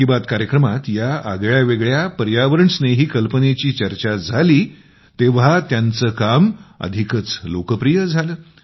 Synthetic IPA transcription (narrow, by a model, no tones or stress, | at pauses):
ibat̪kaɾjəkɾəmat̪jaa̰ɡɭjaʋeɡɭjapəɾjaʋəɾəɳsneɦiːkəlpənet͡ɕiːt͡ɕəɾt͡ɕad͡zʱaliː | t̪eʋ̤at̪jant͡səːkamə̰d̪ʱikət͡slokəpɾijəd͡zʱaləː